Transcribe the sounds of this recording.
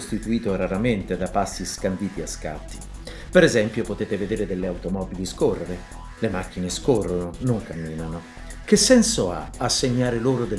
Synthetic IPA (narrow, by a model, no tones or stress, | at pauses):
st̪it̪uiːt̪oɾaɾament̪ed̪apasːiskand̪iːt̪iaska̰t̪ːi̥ | peɾezɛmpjopot̪eːt̪eved̪eːɾed̪elːeawt̪omɔːbiliskorːeɾe | lemak̟ːineskorːononoŋkamːiːnano | k̟esːɛnsoa̰asːeɲːaːɾeloːɾod̪e